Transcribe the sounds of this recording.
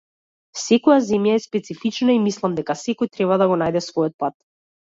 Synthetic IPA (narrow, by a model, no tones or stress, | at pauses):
sɛkɔjazɛmjaɛspɛt̪sifit͡ʃnaimislˠamd̪ɛkasɛkɔjt̪ɾɛβad̪aɡɔnajd̪ɛsvɔjɔt̪̚pat̪̚